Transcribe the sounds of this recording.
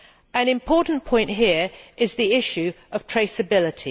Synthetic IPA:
ə̃nɪ̃mpʰɔˑʔn̩pʰɔ̃ɪ̃nʔɦɪəɹʔɪzðiɪʃʉ | əv̥tʰɹ̥eɪsəbɪlɪtʰi

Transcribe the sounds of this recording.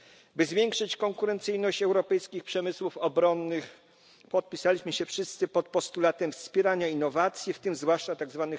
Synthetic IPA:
bɘzvʲjɛŋkʂɘt͡ɕkɔŋkuɾɛnt̪sɘjnɔɕt͡ɕɛwɾɔpɛjskʲixpʂɛmɘswufɔbɾɔnːɘx | pɔt̪̚pʲisalʲiɕmɘɕɛfʂɘst̪sɘpɔt̪̚pɔst̪ulat̪ɛmfspʲjɛɾaɲainːɔvat̪sʲjift̪ɘmzvwaʂt͡ʂat̪aɡzvanɘ

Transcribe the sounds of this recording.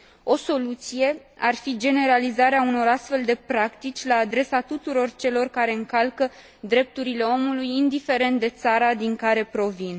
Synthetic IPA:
o̞so̞lut̪sije̞ | arfid͡ʒe̞ne̞ɾalizaɾeauno̞ɾast̪fe̞ld̪e̞pɾakt̪it͡ʃʲlaːd̪ɾe̞sat̪ut̪uɾo̞rt͡ʃe̞lo̞rkaɾe̞ɨŋkalkə | d̪ɾe̞p̚t̪uɾile̞o̞mulujind̪ife̞ɾe̞nt̪̚d̪e̞t̪saɾad̪iŋkaɾe̞pɾo̞vin

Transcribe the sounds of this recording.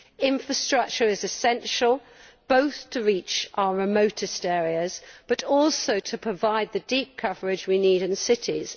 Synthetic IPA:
ɪ̃ɱfɹəstɹ̥ʌk̚t͡ʃəɹɪzɪsɛ̃nʃəlˠ | b̥oʊθtʰəɹiˑt͡ʃʔaəɹɪmoʊtʰɨstɛːɹiəzb̥ʌɾɔˑlˠsoʊtʰəpʰɹ̥əvaɪd̪̚ðədiˑp̚kʰʌvəɹɪd͡ʒwiniːɾɪ̃nsɪtʰɪ̰z̥

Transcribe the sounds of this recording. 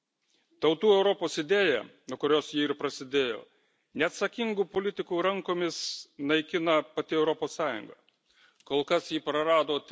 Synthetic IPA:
t̪ɐʊt̪uːɛʊɾɔpoːsɪd̪ʲeːjɛ̰ːnuɔkʊɾʲoːsjiːɪɾpɾɐsʲɪd̪ʲeːjo̰ː | nʲɛɐt̪sɐkʲɪŋɡuːpolʲɪt̪ʲɪkuːɾɐŋkoːmʲɪsnɐɪkʲɪnɐpɐt̪ʲɪɛʊɾɔpoːsːɑːjʊ̰ŋɡɐ̰ | koːlˠkɐsjiːpɾɐɾɑːd̪oːt̪ʲ

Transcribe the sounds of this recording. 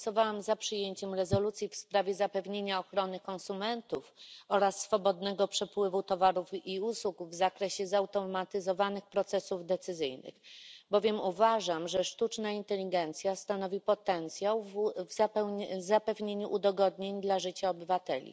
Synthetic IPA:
sɔvawamzapʂɘjeɲt͡ɕɛmɾɛzɔlut̪sʲjifspɾavʲjɛzapɛvɲeɲaɔxɾɔnɘkɔ̃nsumɛnt̪ufɔɾasːfɔbɔd̪nɛɡɔpʂɛpwɘvut̪ɔvaɾufiuswukvzakɾɛɕɛzawt̪ɔmat̪ɘzɔvanɘxpɾɔt̪sɛsuvd̪ɛt̪sɘzɘjnɘ̰xbɔvʲjɛmuvaʐamʐɛʂt̪ut͡ʂnaint̪ɛlʲiɡɛnt̪sʲjast̪anɔvʲipɔt̪ɛnt̪sʲjawvzapɛzapɛvɲeɲuʔud̪ɔɡɔd̪ɲeɲd̪laʐɘt͡ɕaɔbɘvat̪ɛlʲḭ

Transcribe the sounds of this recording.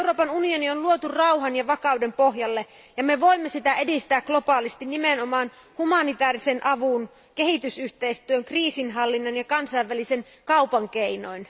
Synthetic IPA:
euroːpɑnunionionluot̪urɑuɦɑnjɑʋɑkɑwdempo̞ɦjɑlːe | jɑmeʋo̞imːesit̪æedist̪æːkɡ̥lo̞pɑːlist̪innimeno̞mɑːn | humɑnit̪æːrisenʔɑʋun | ke̞ɦit̪ysyht̪eist̪yøŋkriːsinɦɑlːinːɑnjɑkɑnsɑiʋːælisen | kɑupɑŋk̟eino̰in

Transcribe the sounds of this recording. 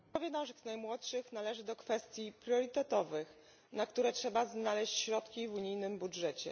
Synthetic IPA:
ɔvʲɛd̪awʐɣznajmwɔt̪ʂɘxnalɛʐɘd̪ɔkfɛst̪ʲjipɾʲjɔɾit̪ɛt̪ɔvɘx | nakt̪uɾɛtʂɛbaznalɛɕt͡ɕɕɾɔt̪kʲivuɲijnɘmbudʐɛt͡ɕɛ̰

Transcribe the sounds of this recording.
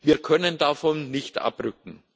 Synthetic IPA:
viːɐkʰœnəndafɔnːɪçtʔa̰pʁʏk̚ŋ̩

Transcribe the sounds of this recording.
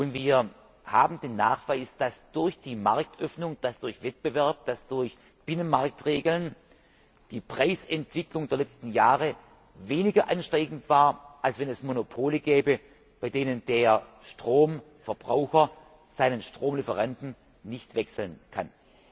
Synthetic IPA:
ʔʊntviːɐ | haːbm̩deːnːaːχv̥aɪsd̥asd̥ʊɐçd̥iːmaɐk̚tʔœfnʊŋd̥asd̥ʊɐçv̥ɛt̚b̥əvɛɐp̚d̥asd̥ʊɐç | b̥ɪnənmaɐk̚tʁeːɡl̩n | d̥iːpʁ̥aɪsɛntv̥ɪklʊŋdeːɐlɛt͡stn̩jaːʁə | veːnɪɡɐʔanʃtʁɛɪɡn̩tv̥aːɐʔalsv̥ɛnɛsmonopʰoːləɡɛːbə | b̥aɪdeːnəndeːɐʃtʁ̥oːm | fɛɐb̥ʁaʊxɐ | z̥aɪnənʃtʁ̥oːmlɪfəʁantn̩ | nɪçtv̥ɛksl̩nkʰa̰n

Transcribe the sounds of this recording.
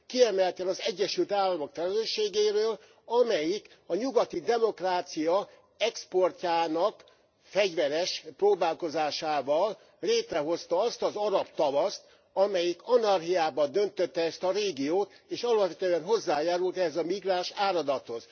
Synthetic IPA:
kiɛmɛlt̪ɛnɒzɛɟːɛʃylt̪aːlːɒmo̞kfɛlɛløːʃeːɡeːɾøːl | ɒmɛjik | ɒɲuɡɒt̪id̪ɛmo̞kraːt̪sijɒ | ɛkspo̞rcaːnɒk | fɛɟvɛɾɛʃproːbaːlko̞zaːʃaːvɒl | leːt̪rɛɦo̞st̪ɒɒst̪ɒzɒɾɒpt̪ɒvɒst̪ | ɒmɛjikɒnɒrɦiaːbɒd̪ø̞nt̪øt̪ːɛɛst̪ɒɾeːɡijoːt̪ | eːʃɒlɒpʋɛt̪øɛnɦo̞zːaːjaːɾult̪ɛɦɛzɒmiɡraːʃaːɾɒd̪ɒt̪hoz

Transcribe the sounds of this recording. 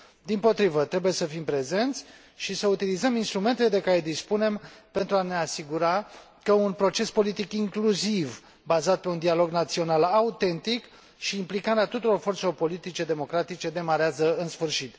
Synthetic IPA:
d̪impo̞t̪ɾivət̪ɾe̞buje̞səfimpɾe̞ze̞nt̪sʲ | ʃisəut̪ilizəminst̪ɾume̞nt̪eled̪e̞kaɾe̞d̪ispune̞mpe̞nt̪ɾuane̞asiɡuɾa | kəunpɾo̞t͡ʃe̞spo̞lit̪ikiŋkluziv | bazat̪̚pe̞und̪ialo̞ɡnat̪sio̞nalaut̪e̞nt̪ik | ʃiːmplikaɾeat̪ut̪uɾo̞rfo̞rt̪selo̞rpo̞lit̪it͡ʃe̞d̪e̞mo̞kɾat̪it͡ʃe̞d̪e̞maɾeazəɨnsfɨrʃit̪

